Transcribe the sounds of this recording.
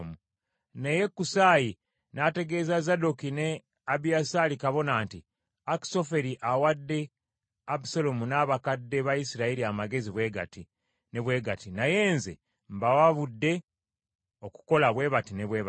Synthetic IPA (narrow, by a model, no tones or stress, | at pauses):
mu | nejekːusaːji | nate̞ɡe̞ːzazadokine̞ | abijasalikaβo̞naːnti | aki̥so̞fe̞ɾiʔawadːe̞ | abusalomunaːβakadːe̞βajisiɾaiɾiamaɡe̞ziβwe̞ɡa̰ti | ne̞βwe̞ːɡatinaje̞ːnze̞ | mbawaβudːe̞ | o̞ku̥ko̞laβwe̞ːβatineβweːβ